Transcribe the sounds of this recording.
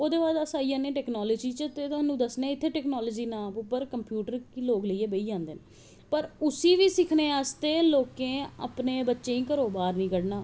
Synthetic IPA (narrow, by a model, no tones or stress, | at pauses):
oːd̪eːʋaːd̪əsaːiãːnẽːʈɛːknɔːlɔːd͡ʒiːt͡ʃət̪eːt̪ʊɦaːnːũːd̪əsnẽːɪt̪ʰːeːʈɛːknɔːlɔːd͡ʒiːnãːpʊpːəɾkəmpjuːʈəɾkiloːkləiːeːbəiːd͡ʒãːnd̪eːnː | pəɾʊsiːʋiːsɪkʰneːaːst̪eːloːkẽːə̰pneːbətːʃẽːĩːkəɾoːbaːɾnĩːkəɽnaː